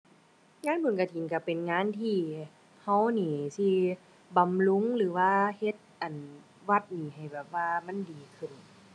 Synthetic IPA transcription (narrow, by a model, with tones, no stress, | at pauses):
ŋaː˧˥˨npʰu˨˦nka˧˩t̪ʰi˨˦nka˧˩pe˨nŋaː˧˥˨nt̪ʰiː˧˩ | ha˧˥˩wniː˧˩si˧˩ | ba˨mlu˧˥˨ŋlɯː˨˦waː˧˨he˧˥t̪̚ʔa˨˩n | wa˧˩t̪̚niː˨˩ha˨˩jbɛː˨˩p̚waː˧ma˧˥˨ndiː˨kʰɯ˧˩˨n